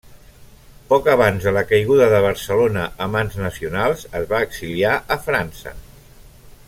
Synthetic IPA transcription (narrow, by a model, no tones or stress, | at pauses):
pɔkəβ̞anzðələkəjɣ̞uðəðəβ̞əɾsəlonəʔːmanznəsiunalˠzəzβaːɡsiliaʔəfɾansə̰